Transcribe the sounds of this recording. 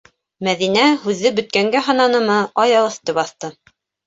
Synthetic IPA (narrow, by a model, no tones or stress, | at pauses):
mæðinæhʉðːɘbɵ̆t̪̚kæŋɡæɦɑnɑnɤ̆mɤʔɑjɑlˠɤ̆θt̪ɤpɑθt̪ɤ